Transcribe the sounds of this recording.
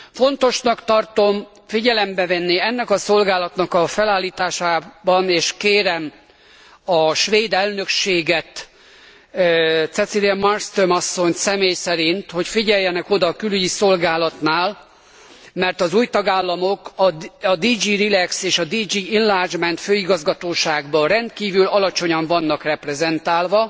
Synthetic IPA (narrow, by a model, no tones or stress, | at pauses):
fo̞nt̪o̞ʃnɒkt̪ɒrt̪o̞m | fiɟɛlɛmbɛvɛnːiɛnːɛkɒso̞lɡaːlɒt̪nɒkɒfɛlaːlːiːt̪aːʃaːbɒneːʃkeːɾɛm | ɒʃʋeːd̪ɛlnø̞kʃeːɡɛt̪ | t̪sɛt̪siɾɛmɒrst̪omɒsːo̞ɲsɛmeːjsɛɾint̪ho̞cfiɟɛjːɛnɛko̞d̪ɒːkylyɟiso̞lɡaːlɒt̪naːl | mɛrt̪ɒzuːjt̪ɒɡaːlːɒmokɒːd̪iːd͡ʒiːrilɛkseːʃɒd̪iːd͡ʒiːinlaːrd͡ʒmɛnt̪føːiɡɒzɡɒt̪oːʃaːɡbɒrɛnt̪kiːvylɒlɒt͡ʃo̞ɲɒɱvɒnːɒkrɛprɛzɛnt̪aːlvɒ